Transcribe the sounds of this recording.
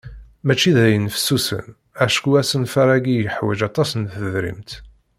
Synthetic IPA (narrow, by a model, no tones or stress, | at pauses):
mæt͡ʃːiðæjənfə̥sːusə̰n | æʃkuæsənfæɾˤæɡijəħwæd͡ʒɑt̪ˤɑsənθəðɾḭmt̪